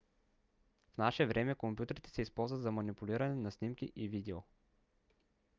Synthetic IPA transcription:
fnaʃɛvɾʔɛmɛkompʲjut̪əɾit̪ɛ̥sɛispɔlˠzvət̪zɐmɐnipuliɾɐnɛnɐsnimkʲḭʔivid̪ɛo

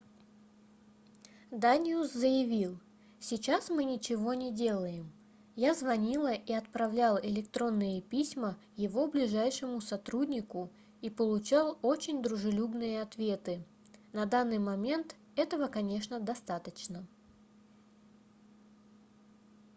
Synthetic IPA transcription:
d̪anʲɪuszəjɪvʲilˠ | sʲɪt͡ɕasmɨnʲɪt͡ɕɪvo̞nʲɪdʲe̞lˠəjɪm | jazvɐnʲilˠəʔiɐt̪̚pɾɐvlʲalˠɪlʲɪk̚t̪ɾo̞nːɨjəpʲisʲmə | jɪvo̞blʲɪʐajʂɨmʊsɐt̪ɾud̪ʲnʲɪkʊ | ipəlˠʊt͡ɕalˠo̞t͡ɕɪnʲd̪ɾʊʐɨlʲubnɨjəɐt̪vʲe̞t̪ɨ | nɐd̪anːɨjmɐmʲe̞nt̪ | ɛt̪əvəkɐnʲe̞ʂnəd̪ɐst̪at̪ət͡ɕnə

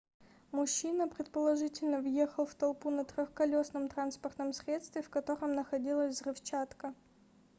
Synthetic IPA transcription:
mʊɕːinəpɾʲɪt̪̚pəlˠɐʐɨtʲɪlʲnəvjexəlˠft̪ɐlˠpunət̪ɾʲoxkɐlʲosnəmt̪ɾanspərt̪nəmsʲɾʲe̞t̪st̪vʲɪfkɐt̪o̞ɾəmnəxɐdʲilˠəsʲzrɨft͡ɕat̪kə

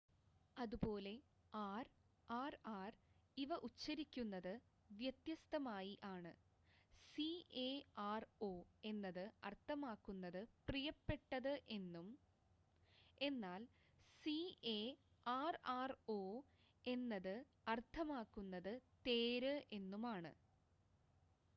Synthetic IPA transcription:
ɐðupo̞ːle̞ | aːr | aːraːriʋɐʔut͡ɕːɐɾikʲːunːɐðɨ | ʋjɐt̪jɐst̪ɐmaːjiʔaːɳɨ | sieaːro̞ːe̞nːɐðɨɐrt̪ʰːɐmaːkːunːɐðɨprijɐpːe̞ʈːɐðɨʔe̞nːum | e̞nːaːl | sie | aːraːro̞ː | e̞nːɐðɨ | ɐrt̪ʰɐmaːkːunːɐðɨt̪e̞ːɾɨʔe̞nːumaːɳɨ̰

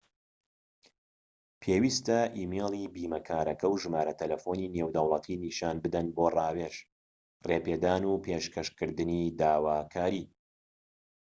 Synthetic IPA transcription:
pʰeːwiːst̪ɐʔiːmelˠibiːmɐkʰaːɾɐkɐwʒɨmaːɾɐt̪ʰɐlɐfoːnineːwd̪ɐwlˠɐt̪ʰiniʃaːnbɨd̪ɐnboːraːweʃ | reːpeːd̪aːnupʰeːʃkɐʃkɨɾd̪ɨnid̪aːwaːkʰaːɾiː

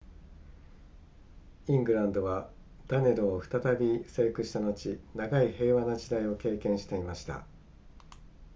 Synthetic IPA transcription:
ĩŋɡɯ̟ɾãnd̪o̞βa | d̪̥ane̞ɾoːɸɯ̥t̪at̪abʲise̞ːkɯ̟ɕi̥t̪ano̞t͡ɕinaɡaihe̞ːβanad͡ʑid̪aio̞ke̞ːkẽ̞ɰ̃ɕi̥t̪e̞imaɕi̥t̪a̰

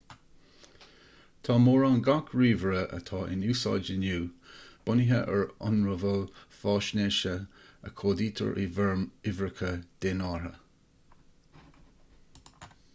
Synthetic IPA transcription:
t̪ʰɑːmoːɹɑːnɡakʰɹiːvɹəʔə̰t̪ʰɑːʔɪ̰nuːsɑ̰ːd͡ʒənuːb̥ʊnɪɦəʔəɹɔ̰nɹəvəlfɑːʃneːʃəə̰kʰoːdiːt̪ʰə̰ɹʔɪ̰vɛɹmɪvɹəkʰəd̪̥enɑːɹə̰

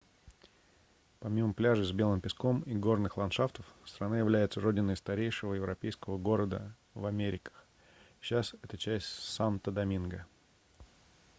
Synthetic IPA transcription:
pɐmʲiməplʲaʐɨzbʲe̞lˠɨmpʲɪsko̞miɡo̞rnɨxlˠɐnʂaft̪əfst̪ɾɐnajɪvlʲæjɪt̪səɾo̞dʲɪnːəjst̪ɐɾʲejʂɨvəjɪvɾɐpʲejskəvəɡo̞ɾəd̪ə̰ | vɐmʲeɾʲɪkə̥x | ɕːasɛt̪ət͡ɕæsʲtʲsant̪əd̪ɐmʲinɡə

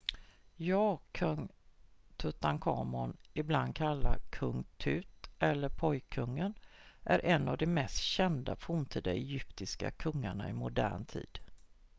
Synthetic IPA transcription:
jɑːkʰɵŋ | t̪ʰɵt̪ːaŋkʰɑːmɔnɪbland̪̚kʰalːakʰɵŋt̪ʰʉ̟ːt̪ɛlːəɾpʰɔjkʰːɵŋːənʔæɾʔɛnːavd̪ɛmɛst̪ɕɛnd̪afuːmt̪ʰiːd̪aɛjʏpt̪ɪska̰kʰɵŋːaɳa̰ɪmʊd̪æ̰ːɳt̪ʰḭːd̪̥

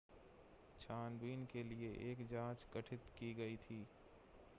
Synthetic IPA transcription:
t͡ʃʰaːnbiːnkelieʔeːkd͡ʒãːt͡ʃkɐʈʰɪt̪kiɡɐit̪ʰiː

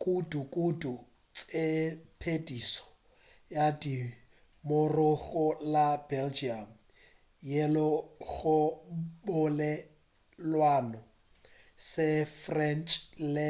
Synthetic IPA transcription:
kʼudukʼudu | t͡sʼepʰedisɔ̥ | jadi | mʊrʊɣʊlabɛld͡ʒiam̩ | jelɔɣʊbʊlɛ | lwanɔ | sɪfrɛnt͡ʃʼlɛ

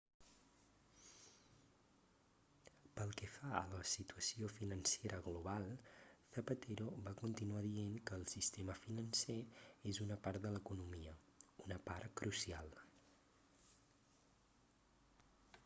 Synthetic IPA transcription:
pəlˠkɛfaələsit̪uəsiofinənseɾʔəɣluβalˠθəpət̪eɾoβakunt̪inuaðienkəːlˠsist̪eməfinənseezunəpaɾt̪̚d̪ələkunumiə | unəpaɾkɾʔusialˠ

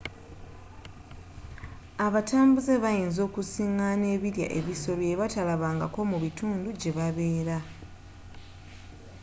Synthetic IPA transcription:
aβataːmbuze̞βajiːnzo̞ːkusiŋane̞ːβiɾja̰ʔe̞βiso̞loeβatalaβaːŋɡako̞muβitʰuːnduɟe̞βaβe̞ːɾa

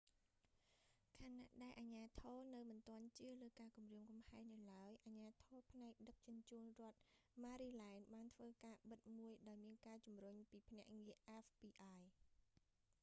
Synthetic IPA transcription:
kʰana̰ʔɗaɛlʔaɲaːt̪ʰɔːnɨwmɨnt̪ŏənt͡ɕɨələːkaːkumriəmkɑmhaɛnnɨwlaəjʔaɲaːt̪ʰɔːpʰnaɛk̚ɗək̚t͡ɕuənt͡ɕuːnrŏət̪̚maːɾiːlaɛnɓaːnt̪ʰʋəːkaːɓɨt̪̚muəjɗaɔjmiənkaːt͡ɕumrʊɲpiːpʰnɛ̆əʔŋiəʔɛfpiːʔaːj

